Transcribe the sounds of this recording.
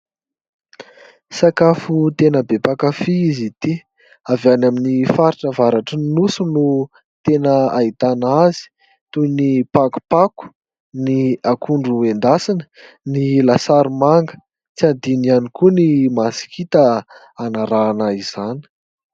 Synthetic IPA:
sakafut̪enəbepakafiizit̪i | avanaminifaɾiʈ͡ʂəvaɾaʈ͡ʂəinusunu | t̪enəait̪anazi̥ | t̪unipaku̥paku̥ | niakʰuɳɖ͡ʐuend̪asinə̥ | nilasaɾimaŋɡə̥ | t͡siand̪inianikunimasi̥kʰit̪ə | anaɾaːnaiz̥ani̥

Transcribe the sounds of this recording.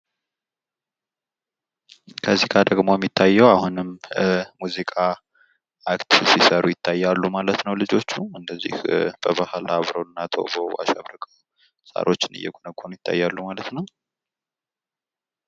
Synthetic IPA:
kʰəzikʰad̪əɡmo̞jɛmːit̪ʰːajːɛwahunɨmmuzikʼaː | kt̪sisəɾujɪt̪ʰːajːalːumalət̪nəwlɨd͡ʒo̞t͡ʃːuɨnd̪əzːḭhb̥əβahlaβɾonːat̪ʰo̰boa̰ʃaβɾɨkʼə | sa̰ɾʔo̞t͡ʃːɪnɨ̰jɛ̰ɡonəɡʰonujɪt̪ʰːa̰jːalːumalət̪nəw

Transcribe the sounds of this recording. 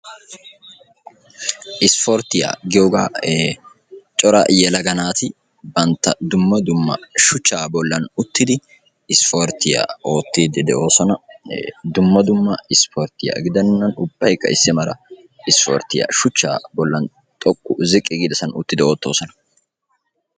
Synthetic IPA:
ʔɪsfɔɾt̪ɪja̰ːɡɪjoːɡaː | t͡ʃʼɔɾɐ̰jɛlɐɡɐnaːt̪ɪ | bɐnt̪ːɐd̪ʊmːɐd̪ʊmːɐ̰ʃʊt͡ʃːaːbɔlːɐnʊt̪ːɪd̪ɪ | ɪspoɾt̪ɪja̰o̞ːt̪ːiːd̪ɛd̪ɛʔo̞ːsɔnɐ | d̪ʊmːɐd̪ʊmːɐɪspʰoɾt̪ɪjɐ̰ɡɪd̪ɐnːɐnʊbːɐjkːɐ̰ɪsːɪmɐɾɐ̰ | ɪspɔ̰ːɾt̪ɪjɐ̰ʃʊt͡ʃːa̰ːbɔlːɐn | t̪ʼɔkʼːʊzɪkʼːɪɡid̪ɛsɐnʊt̪ːɪd̪ɛo̞ːt̪ːo̞̰ːsɔnɐ̥

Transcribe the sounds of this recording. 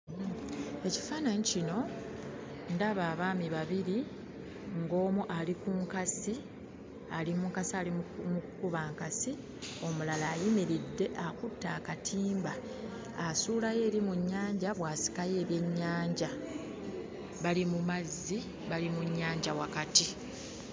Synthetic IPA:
e̞ci̥faːnaɲicino̞ | ndaβaːβaːmiβaβiɾi | ŋɡo̞ːmuʔalikuŋkasi | alimukasialimukukuβaːŋkasi | o̞mulalaːjimiɾidːe̞ʔakutːaːkatʰiːmbaː | suːlaje̞ːɾimuɲːaːɲɟaβwaːsi̥kaje̞ːβje̞ɲːaːɲɟa | βalimumazːi | βalimuɲːaːɲɟawakati

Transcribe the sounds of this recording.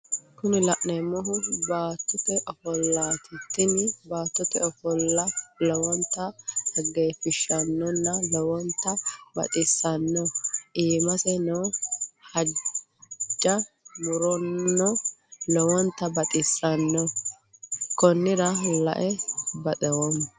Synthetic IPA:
kʊnɪlɐʔnɛmɔɦʊbaːt̪ːʊt̪ɛʔɔfɔlːaːt̪ɪt̪ːɪnbaːt̪ːʊt̪ɛɔfɔlːɐlɔwɔnt̪ːɐhɐɡːejfɪʃɐnːɔnːɐlɔwɔnt̪ːɐbɐ̰t̪ʼɪsːɐnːɔʔiːmɐsɛnɔwhɐ | d͡ʒːɐ | mʊɾɔnːɔlɔwɔnt̪ːɐbɐt̪ʼɪsːɐnːɔ | kɔnːɪdɐlɐ̰ʔɛbɐt̪ʼɛwɔmː

